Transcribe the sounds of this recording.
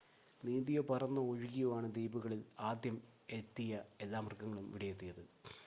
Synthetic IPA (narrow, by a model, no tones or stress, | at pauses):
niːðijopɐrɐnːɐoɻuɣijuʋaːɳɨd̪iːbuɣɐɭilaːd̪jɐmet̪ːijɐe̞lːaːmɐrɡɐŋːɐɭumʋiɽɐjet̪ːijɐðɨ